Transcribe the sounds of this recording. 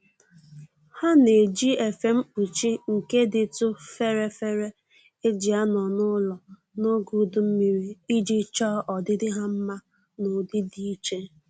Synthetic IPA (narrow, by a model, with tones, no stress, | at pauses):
ha˦ne˨d͡ʒi˦e˨fe˨m̩˦u˨t͡ʃi˦ŋ̩˨ke˦dɪ˨tʊ˦fe˦ɾe˦fe˦ɾe˦ | e˦d͡ʒi˨a˦nɔ˨nʊ˦lɔ˨ | no˦ɡu˦dʊ˨m̩˦mi˨ɾi˨i˦d͡ʒi˦t͡ʃɔ˦ʔɔ˨dɪ˦dɪ˦ɦa˦m̩˦ma˦ | no˨dɪ˦di˦i˦t͡ʃe˦